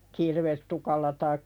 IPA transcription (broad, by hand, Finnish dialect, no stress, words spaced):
kirʋestukɑlːɑ tɑikːɑ